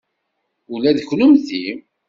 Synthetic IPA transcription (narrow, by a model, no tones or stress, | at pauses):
ʊlæðçlʊmθim